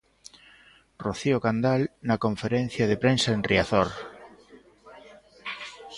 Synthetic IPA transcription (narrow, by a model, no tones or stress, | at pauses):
roθiokand̪alnɐkoɱfeɾɛn̟θjað̞epɾensaenriaθoɾ